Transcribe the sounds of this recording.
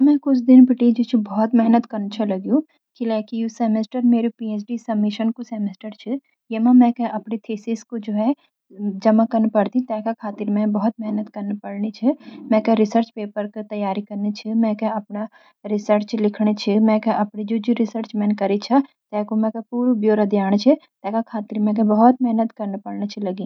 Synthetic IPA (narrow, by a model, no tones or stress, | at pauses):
mɛ̃kʊt͡ʃʰd̪ɪnpɪʈid͡ʒit͡ʃʰibɔɦɔt̪mɛɦnət̪kɐɾnt͡ʃʰɐlɐɡjũ | kilɛːkijosɛːmesʈəɾmeːɾepiːeːsɖisɐmːɪʃənkosɛːmesʈəɾt͡ʃʰi | jemãmɛ̃kɛʔɐpnet̪ʰeːsɪskod͡ʒoːɦɛ | d͡ʒɐmakɐɾnpɐɽt̪ĩt̪ɛːkakʰaːt̪ɪɾmɛ̃bɐɦɔt̪̚mɛɦnət̪kɐɾnpɐɽnit͡ʃʰɛmɛ̃ːkɛɾɪsəɾt͡ʃpeːpəɾket̪ɐjaːɾikɐɾnet͡ʃʰimɛ̃ːkɛɐpna | ɾɪsəɾt͡ʃlɪkʰɽ̃et͡ʃʰimɛ̃ːkɛʔɐpnid͡ʒoːd͡ʒiɾɪsəɾt͡ʃmɛ̃nkɐɾit͡ʃʰa | t̪ɛːkomɛ̃ːkepuːɾubjoːɾɐd̪ʱjaːɽ̃t͡ʃʰɛt̪ɛːkakʰaːt̪ɪɾmɛ̃k̬ẽbɐɦɔt̪̚mɛɦnət̪kɐɾnpɐɽnet͡ʃʰilɐɡĩː